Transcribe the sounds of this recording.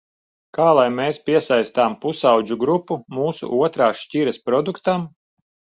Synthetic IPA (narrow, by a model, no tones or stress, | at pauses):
kaːlˠajmeːspʲiɛsajst̪aːmpusawd͡ʒuɡɾupːumuːsṵʔuɔt̪ɾaːʃcʲiɾɛspɾɔd̪ukt̪am